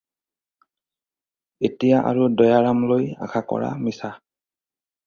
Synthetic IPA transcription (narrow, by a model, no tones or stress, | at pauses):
etijaʔa̰ɹudɔjaɹamloja̰kʰakɔ̰ɹa̰misa